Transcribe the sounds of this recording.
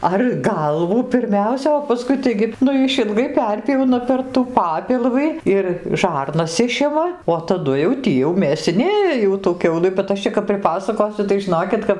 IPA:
ɐr ˈɡɐlˠʋuː pʲɪrʲˈmʲɛʊsʲɛ oː pɐˈskʊɪ ˈtɐɪɡʲɪ ˈnʊ ɪʃʲɪlˠˈɡɐɪ ˈpʲɛrʲpʲjɛʊnɐ pʲɛr tuː ˈpɑːpʲɪlˠʋɨ ɪr ˈʒɐrnɐs ˈɪʃʲɪmɐ oː tɐˈdʊ jɛʊ ˈtʲiː jɛʊ mʲeːsʲɪˈnʲeːjɛ ˈjɛʊ tuː ˈkʲɛʊlˠɨ bʲɛt ˈɐʃ t͡ʃʲɛ kɐp pʲrʲɪˈpɑːsɐkoːsʲʊ tɐɪ ʒʲɪˈnoːkʲɪt kɐp

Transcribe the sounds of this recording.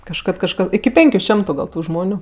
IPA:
kɐʃˈkɐt kɐʃˈkɐ ɪkʲɪ ˈpʲɛŋʲkʲʊ ˈʃʲɛmtʊ ˈɡɐlˠ tʊ ˈʒmoːnʲʊ

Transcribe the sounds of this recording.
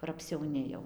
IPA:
kʊr ɐpʲsʲɛʊˈnʲɪ jɛʊ

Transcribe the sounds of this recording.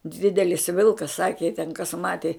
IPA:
ˈdʲɪdʲɛlʲɪs ˈʋʲɪlˠkɐs ˈsɑːkʲɪ jɪ tʲɛn kɐs ˈmɑːtʲɪ

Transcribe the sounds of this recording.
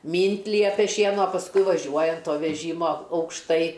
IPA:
ˈmʲiːnʲtʲ ˈlʲiɛpʲɛ ˈʃʲiɛnɐ oː pɐsˈkʊɪ ʋɐˈʒʲuɔjɪ ɐn ˈtoː ʋʲɛˈʒʲiːmoː ɐʊkʃˈtɐɪ

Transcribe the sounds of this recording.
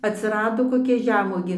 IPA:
ɐtʲsʲɪˈrɑːdoː koːˈkʲɛ ˈʒʲæːmuɔɡʲeː

